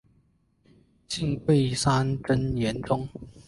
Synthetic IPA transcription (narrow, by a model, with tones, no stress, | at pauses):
t͡ɕi˥˧ŋpwe˥˩ɪsa˥nʈ͡ʂə˥njɛ˨˦nʈ͡ʂʊ˥ŋ